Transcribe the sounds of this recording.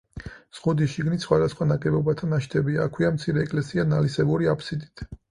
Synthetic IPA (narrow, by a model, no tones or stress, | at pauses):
z̥ʁud̪iʃiɡnisχwad̪asχwanakʼɛbɔbat̪ʰanaʃt̪ʰɛbiaːkʰwiamt̪sʰiɾɛːkʼlɛsianalisɛbuɾiapʰsid̪it̪ʰ